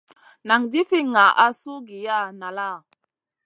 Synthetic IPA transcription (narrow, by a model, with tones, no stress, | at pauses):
na˨ŋdi˦fi˦ŋa˨ʔa˦su˦ɡi˨ja˦˨na˨la˦˨